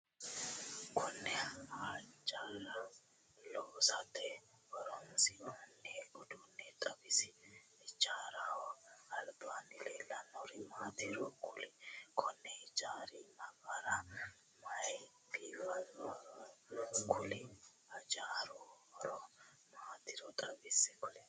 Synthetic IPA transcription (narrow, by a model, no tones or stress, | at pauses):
kʰʊnːɛhat͡ʃʼaːɾɐ | loːsɐt̪ʰɛ | wɐɾɔnsɪnɐnːeɔd̪unːɛt̪ʼɐbɪsɪ̥ɪd͡ʒaːɾawɔɐlbaːnɪleːlːɐnɔɾɪmaːt̪ɪɾɔkʰʊlɪkʰɔnːɛɪd͡ʒaːɾɪnɐɡɐɾɐ | mɐj | biːfɐnːɔ | kʰʊlɪ | ɐd͡ʒaːɾɔbɐɾɔ | maːt̪ɪɾɔt̪ʼɐɡɪsɛkʊlɛ